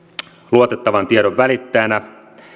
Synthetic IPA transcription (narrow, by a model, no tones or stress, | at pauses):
luot̪et̪ːɑʋɑnt̪ieɾo̞ʋʋælit̪ːeːnæ